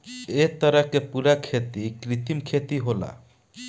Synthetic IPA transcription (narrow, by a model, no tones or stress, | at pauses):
et̪əɾəkepuɾakʰet̪ikɾit̪imkʰet̪iɦola̰